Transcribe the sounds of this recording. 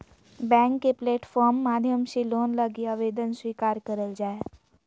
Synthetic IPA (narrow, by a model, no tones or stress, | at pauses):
bɛ̃ːŋkːepleːʈfʰɔːɾmːaːd̪ʱjəmseloːnləɡiaʋeːd̪ənswiːkaːɾkəɾəld͡ʒaːe